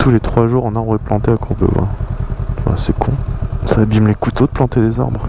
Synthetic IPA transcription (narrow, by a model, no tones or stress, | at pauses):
t̪ʰulet̪χwaʒuʁɑ̃naʁbʁɛplɑ̃t̪eakuʁbø̰vwɛ̰̃ | va̰sɛkʰɔ̃saːbimlekut̪od̪əplɑ̃t̪ed̪eza̰ʁbʁ